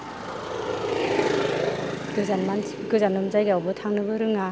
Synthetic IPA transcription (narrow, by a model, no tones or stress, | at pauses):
ɡɯzanmansʰ | kɯzanɯmzajɡeawbɯtʰaŋnɯbɯɾɯŋa